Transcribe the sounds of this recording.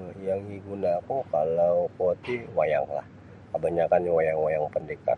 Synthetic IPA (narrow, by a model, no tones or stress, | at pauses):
jaŋiɡunakukalawkuat̪iwaja̰ŋla̰h | kəbaɲakanjawajaŋwajaŋpəndeka̰